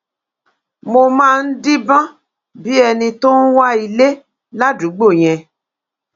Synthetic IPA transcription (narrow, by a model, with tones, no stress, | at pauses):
mo˧mãː˦˧n̩˦di˦bã˦ | bi˦ɛ˧nĩ˧to˦n̩˦wa˦i˨le˦ | la˦du˨˦ɡ͡bo˦˨j̃ɛ̃˧